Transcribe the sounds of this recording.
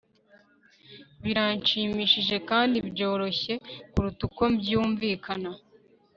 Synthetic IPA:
βiɾant͡ʃiːmiʃiʒe̞kaːndibɟo̞ːɾo̞çe̞kuɾutuko̞bɟuːɱviːkʰana

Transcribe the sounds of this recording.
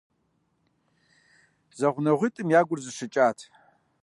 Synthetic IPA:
zɐʁʷnɐʁʷitʼɨmjaːɡʷʊrzɨʂɨt͡ʃʼaːtʰ

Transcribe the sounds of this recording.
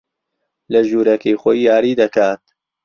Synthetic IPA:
lɐʒuːɾɐkijxojːaːɾiːd̪ɐkʰaːt̪̚

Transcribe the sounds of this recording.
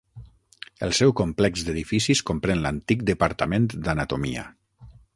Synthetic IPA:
əlˠsɛwkomplɛkzd̪əðifisiskompɾenləant̪ik̚d̪əpaɾt̪əmend̪anat̪omiə̰

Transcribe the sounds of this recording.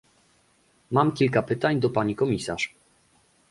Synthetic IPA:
mamkʲilkapɘt̪aɲd̪ɔpaɲikɔmʲisaʂ

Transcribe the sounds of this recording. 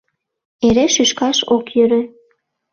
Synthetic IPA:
eɾeʃyʃkɑʃokjøɾø

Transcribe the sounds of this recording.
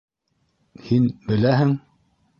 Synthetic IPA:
hinbɘ̆læɦɘŋ

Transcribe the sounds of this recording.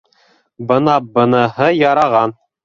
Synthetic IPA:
bɤ̆nɑbɤ̆nɤɦɤjɑɾɑʁɑn

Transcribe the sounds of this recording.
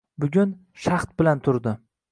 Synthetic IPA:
bʊɡʲʊn | ʃaχt̪̚bɪlant̪ʰʊɾd̪ɪ

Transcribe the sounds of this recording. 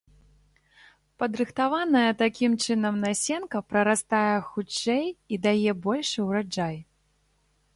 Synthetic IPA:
pɐd̪ɾɨxt̪avanɐjɐt̪akʲimt͡ʂɨnɐmnasʲɛnkɐpɾɐɾast̪ajɛxut͡ʂːɛjid̪ajɛbɔlʲʂɨwɾad͡ʐaj

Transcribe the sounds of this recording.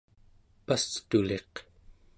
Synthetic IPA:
past̪ule̞q

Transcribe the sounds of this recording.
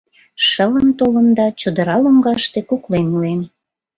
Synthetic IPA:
ʃələnt̪olənd̪ɑt͡ɕod̪əɾɑlomɡɑʃt̪ekuklenuen

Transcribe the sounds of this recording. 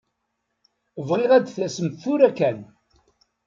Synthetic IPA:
vʁiʁæd̪θæsəmθʊɾækːæn

